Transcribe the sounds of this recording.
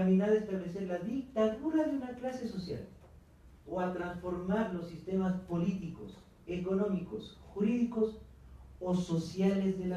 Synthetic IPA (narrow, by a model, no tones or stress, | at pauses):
minaðest̪aβlese̞ɾlaðik̚t̪aðuɾaðeunaklase̞so̞sja̰l | oat̪ɾansfo̞ɾmaɾlo̞sːist̪e̞maspo̞lit̪iko̞̰s | e̞ko̞no̞miko̞sxuɾiðikos | oso̞sjalezðela